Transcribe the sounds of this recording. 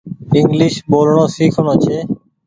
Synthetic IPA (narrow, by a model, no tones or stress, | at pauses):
ɪŋɡlɪːʃɓoːlɳõːsiːkʰonoːt͡ʃʰeː